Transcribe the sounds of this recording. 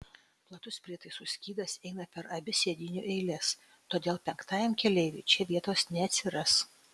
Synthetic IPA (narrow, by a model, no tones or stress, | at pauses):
plˠɐt̪ʊspʲɾʲiɛt̪ɐɪsʊsʲkʲiːd̪ɐsɛɪnɐpʲɛɾɐbʲɪsʲeːd̪ʲɪnʲṵːʔɛɪlʲɛs | t̪oːd̪ʲeːlˠpʲɛŋkt̪ɑːjɛmkʲɛlʲɛɪʋʲɪt͡ʃʲɛʋʲiɛt̪oːsnʲɛɐt̪ʲsʲɪɾɐs